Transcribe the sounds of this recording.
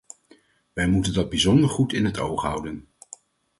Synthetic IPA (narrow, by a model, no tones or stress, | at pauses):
ʋɛjmutəndɑd̚bizɔndəɹχutɪnɦətʰo̰wχɦʌ̰wdən